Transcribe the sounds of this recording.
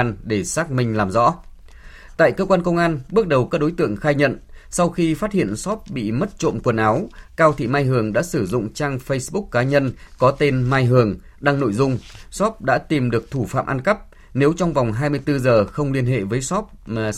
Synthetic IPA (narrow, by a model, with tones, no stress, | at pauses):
nɗe˧˩saː˦˥k̚mï˧ŋ̟laː˨˩mzɔ̰˧˥ | t̪a̰ː˧˨jkəː˧kwaː˧nkə˧wŋ͡mʔaː˧nɓɨ˦˥ək̚ɗə˨˩wkaː˦˥ɗo˨˦jt̪ɨ̰˧˨əŋxaː˧jɲə̰˧˨nsa˧wxi˧faː˦˥t̚hḭ˧˨ənsɔ˦˥p̚ɓḭ˧˨mə˦˥t̚t͡ɕo̰˧˨nkwnʔa˨˦wkaː˧wt̪ʰḭ˧˨maː˧jɦɨ˨˩əŋɗa̰ː˧˥sɨ˧˩zʊ̰˧˨ŋ͡mt͡ɕaː˧ŋfə˧jsɓʊ˦˥kːaː˨˦ɲə˧nkɔ˨˦t̪e˧nmaː˧jɦɨ˨˩əŋ | ɗa˧ŋno̰˧˨jzʊ˧ŋ͡msɔ˦˥p̚ɗa̰ː˧˥t̪i˨˩mɗɨ˨˩ək̚t̪ʰu˧˩fa̰ː˧˨ʔa˧nkə˦˥p̚ | ne˨˦wt͡ɕɔ˧wŋ͡mva˨˩wŋ͡mɦaː˧jmɨ˧əjt̪ɨ˧zəː˨˩xə˧wŋ͡mli˧ənɦḛ˧˨vəː˨˦jsɔ˦˥p̚ː